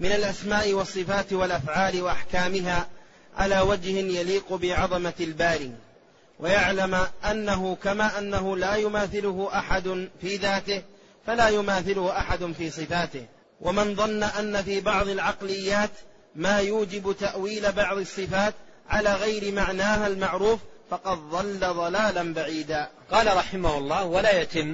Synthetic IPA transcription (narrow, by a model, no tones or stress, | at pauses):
mɪnalʔasmaːʔɪwɑsˤːɨfaːt̪walʔafʕaːlɪwaʔaħkaːmɪɦaː | ʕa̰laːwad͡ʒhɪnjaliːqʊbɪʕɑðˤɑmalbaːɾiː | wʔajaʕlamʔanːaɦʊkamaːʔanːaɦʊlaːjʊmaːθɪlʊhʊʔaħad̪ʊnfiːðaːt̪ɪh | falaːjʊmaːθɪlʊhʊʔaħad̪ʊnfiːsˤɨfaːt̪ɪh | wʔamɪnðˤɑnːaʔanːafiːbɑʕðˤɪlʕɑqlɪjːaːt̪ | maːjuːd͡ʒɪbt̪aʔwiːlabɑʕðˤɨsˤːɨfaːt̪ | ʕalaːɣajɾɪmaʕnaːɦalmaʕɾuːffɑqɑd̪ðˤɑlːaðˤɑlaːlanbaʕiːd̪aː | qɑːlaɾˤɑħɪmahʊlˤːɑːhwalaːjat̪ɪmː